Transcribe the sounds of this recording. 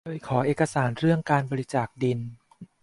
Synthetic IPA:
ɤː˧jkʰɔː˩˦ʔeː˨˩kːa˧saː˩˦nɾɯ˥˩əŋkaː˧nbɔː˧ɾi˦˥t͡ɕaː˨˩k̚di˧n

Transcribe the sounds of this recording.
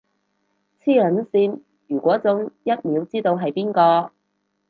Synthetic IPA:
t͡sʰiː˥lɐ˨˥nsiː˧n | jyː˨˩kʷɔː˨˥t͡sʊ˨˥ŋjɐ˥t̚miː˨˧wt͡siː˥t̪o˧wɦɐ˨jpiː˥nkɔː˧

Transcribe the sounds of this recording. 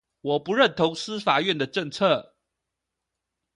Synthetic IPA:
wɔ˨˩pu˧˦ɻə˥˨nt̪ʰo˧˥ŋsɹ̩˥fa˨˩ɥɛ˥˨nd̪ə˩ʈ͡ʂə˥˧ŋt͡sʰə˥˨

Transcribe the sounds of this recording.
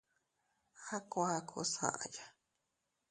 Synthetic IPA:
ha˦ko˦˧a˦ha˧kʰu˧˦sã̰˦˨ʔa̰˨ja˨

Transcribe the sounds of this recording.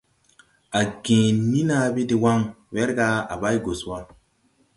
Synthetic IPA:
a˨ɡẽ˨ni˦na˦bi˦de˨wa˦ŋwɛ˦ɾɡa˦a̰˨ba˦jɡo˨swa˦

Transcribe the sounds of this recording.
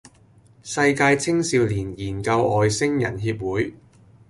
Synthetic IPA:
sɐ˧jkaː˧jt͡sʰɪ˥ŋsiː˧wliː˨˩njiː˨˩nkɐ˧wɔː˨˧jsɪ˥ŋjɐ˨˩nɦiː˧p̚wuː˨˥j

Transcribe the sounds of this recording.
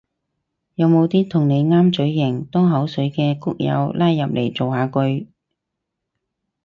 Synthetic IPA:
jɐ˨˧wmo˨˧wt̪iː˥t̪ʰʊ˨˩ŋne˨˧jŋaː˥mt͡sɵ˨˥ɥːɪ˨˩ŋt̪ʊ˥ŋɦɐ˨˥wsɵ˨˥ɥkɛː˧kʊ˥k̚jɐ̰˨˧wlaː˥jːɐ˨p̚lʔe˨˩jt͡so˨wɦaː˨˧kɵ˧ɥ

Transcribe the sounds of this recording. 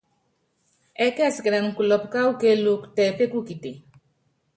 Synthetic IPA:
ɛ˦kɛ˦˨skɛ˨ɾɛ˨ŋ˨ku˨lɔ˨pka˦u˦ke˦lo˦ktɛ˨pe˦ku˦ki˨te˨

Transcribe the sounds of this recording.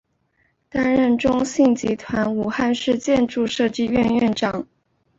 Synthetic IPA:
t̪a˥nɻə˥˩nʈ͡ʂʊ˥ŋɕi˥˩ŋt͡ɕi˧˥t̪ʰwa˧˥nu˨˩xa˥˧nʂɻ̩˥˧t͡ɕjɛ˥˧nʈ͡ʂu˥˧ʂɤ˥˩t͡ɕi˥ɥɛ˥˧nɥɛ˥˩nʈ͡ʂɑ˨˩˦ŋ

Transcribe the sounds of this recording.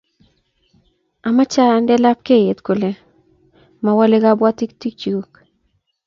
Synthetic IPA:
a˨ma˦t͡ʃa˦ndɛ˦la˦p̚ke˦˨je˨t̪ko˨le˦ | ma˨wa˦le˦ɡa˦bwa˦ti˦kti˦k̚t͡ʃi˨o˨k

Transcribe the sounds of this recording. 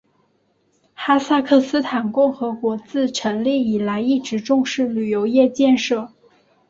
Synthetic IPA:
xa˥sa˥˧kʰɤ˥˩sɹ̩˥t̪ʰa˨˩nkʊ˥˩ŋxɤ˧˥kwɔ˧˥t͡sɹ̩˥˩˧ʈ͡ʂʰɤ˧˥ŋli˥˩i˨˩la˧˥ɪi˥˩ʈ͡ʂɻ̩˧˥ʈ͡ʂʊ˥˧ŋʂɻ̩˥˩ly˨˩jo˧˥ʊjɛ˥˧t͡ɕjɛ˥˧nʂɤ˥˩

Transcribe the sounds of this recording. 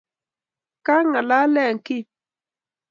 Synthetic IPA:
ka˦ŋa˨la˦lɛ˦˨ŋ˨ki˦

